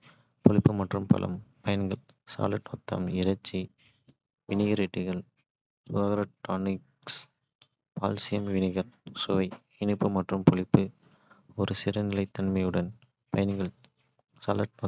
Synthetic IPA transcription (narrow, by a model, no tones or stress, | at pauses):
pɔɭɪpːɯmɐʈrɯmpɐ̰lʔɐ̰mpɐjɐnɡɐɭsa̰ːlɐʈnɔt̪ːɐ̰mɪɾɐt͡ʃːi | ʋɪnɪɣɐɾɪʈːɪɣɐɭ | sʊðaːɣɐɾɐʈːaːnɪks | pa̰ːlsɪjɐmʋɪnɪɣɐɾsʊʋɐɪ | ɪnɯpːɯmɐʈrɯmpɔɭɪpːɯ | ɔɾɯsɪɾɐnɪlɐɪt̪ːɐnmɐɪjɯɽɐn | pɐjɐnɡɐɭ | sa̰ːlɐʈno